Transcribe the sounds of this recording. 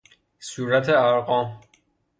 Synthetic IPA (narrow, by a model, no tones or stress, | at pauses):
suːɾæt̪ʰeæɾɢɒːm